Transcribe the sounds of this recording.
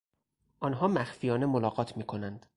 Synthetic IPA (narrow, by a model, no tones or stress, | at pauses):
ʔɒnɦɒːmæxfijɒːne̞molɒːɡɒːt̪ʰmiːkʰo̞nænd̪̥